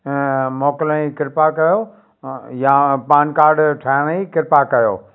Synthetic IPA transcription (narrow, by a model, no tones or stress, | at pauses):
moːkɪlə̃ikɪɾpakɐjo | jãpaːnkaːɾɖʈʰaːnikɪɾpakɐjo̰ː